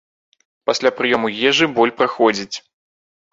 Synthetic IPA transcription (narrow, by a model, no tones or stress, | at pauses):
pasʲlʲapɾɨjɔmujʲɛʐɨbɔlʲpɾaxɔd͡zʲit͡sʲ